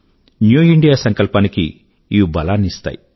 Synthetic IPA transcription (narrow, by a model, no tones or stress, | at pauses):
njuːiɳɖijaːsɐŋkɐlpaːniki | iubɐlaːnist̪a̰ːji